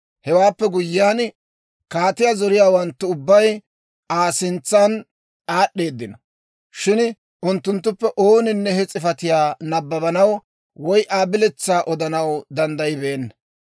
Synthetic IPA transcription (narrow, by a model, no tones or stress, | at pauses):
hɛwaːpːɛɡʊjːaːn | kaːt̪ɪjazɔɾɪjaːwɐnt̪ːʊʊbːɐj | aːsɪnt͡sːɐn | ʔaːɗːe̞ːd̪ːɪnɐ | ʃɪn | ʔʊnt̪ːʊnt̪ːʊpːɛʔo̞ːnɪnːɛhɛt͡sʼɪfɐt̪ɪjaːnɐbːɐbɐnɐw | wɔjʔaːbɪlɛt͡sːaːʔɔd̪ɐnɐwd̪ɐnd̪ɐjɪbe̞ːnːɐ